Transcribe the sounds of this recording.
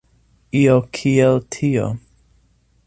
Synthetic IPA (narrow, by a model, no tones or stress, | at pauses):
iːokʰiːɛltʰiːo̰